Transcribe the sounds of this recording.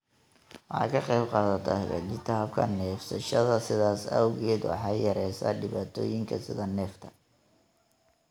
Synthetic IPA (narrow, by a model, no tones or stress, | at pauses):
wɑħɑ̰ːkʰɐqɛjbqɑːðɐt̪ʰɐ̰hɛβɛ̰kɪt̪ʰaːb̚kʰɐ̰nɛːfsɐʃɐðɐsɪðaːsɐwɣɛːd̪wɑ̰ħɑjjɐɾɛjsɐ̰ːɖɪβaːt̪ʰɔ̰ːjɪŋkʰɐ̰sɪðɐnɛːft̪ʰɐ̥